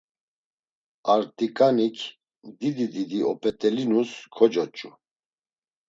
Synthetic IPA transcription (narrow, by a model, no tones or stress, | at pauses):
aɾt̪ʼikʼanikʰ | d̪id̪id̪id̪iɔpʼɛt̪ʼɛlinuskʰɔd͡ʒɔt͡ʃʼu